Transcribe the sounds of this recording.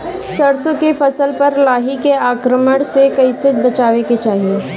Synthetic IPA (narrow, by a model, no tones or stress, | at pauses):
sɐɾsõkefɐsəlpɐɾlaːɦikeaːkɾəməɽ̃sekɐisəd͡ʒbɐt͡ʃaːʋeket͡ʃaːɦie